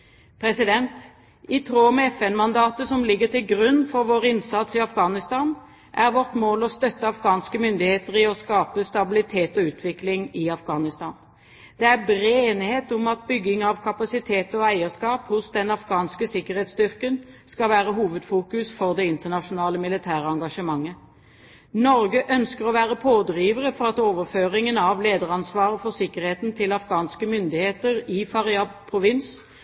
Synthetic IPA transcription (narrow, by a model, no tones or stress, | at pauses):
pʰɾɛsɪd̪ɛnt̪ | ɪt̪ʰɾoːmɛɛfɛnmɑnd̪ɑːt̪əsɔmlɪɡːəʁt̪ʰɪlɡʁʉnːfɔɾʋoːʁɪnsɑt̪sɪɑfɡɑːnɪst̪ɑːn | ʔæʁʋɔʁt̪moːlɔst̪œt̪ːəɑfɡɑːnskəmʏnd̪ɪheːt̪əʁɪɔskɑːpəst̪ɑbɪlɪt̪ʰeːt̪ɔʉːt̪ʰʋɪklɪŋɪɑfɡɑːnɪst̪ɑːn | d̪̥ɛæʁbɾeːnheːt̪ʊmɑt̪̚bʏɡːɪŋɑʋkʰɑpɑsɪt̪ʰeːt̪ɔæɪəskɑːphʊsd̪ɛnɑfɡɑːnskəsɪkːəʁheːt̪st̪ʏʁkənskɑʋæːʁəɦuːʋəd̪fuːkʉsfɔʁd̪ɛɪnt̪ənɑʂʊnɑːləmɪlɪt̪ʰæːʁəɑŋɡɑʂəmɑŋːə | nɔʁɡəʔœnskəʁɔʋæːʁəpʰoːd̪ʁiːʋəʁəfɔʁɑt̪oːʋəʁføːʁɪŋənɑʋleːd̪əʁɑnsʋɑːʁəfɔʁsɪkəʁheːt̪n̩t̪ʰɪlɑfɡɑːnskəmʏnd̪ɪheːt̪əʁɪfɑʁɪɑpʰʁʊʋɪns